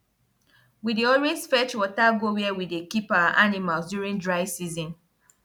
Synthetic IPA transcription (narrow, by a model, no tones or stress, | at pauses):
widiɔɹesfɛt͡ʃwɔtaɡowiɛwidekipaʔanimalsdjuɹĩndɹaɪsizɔ̃n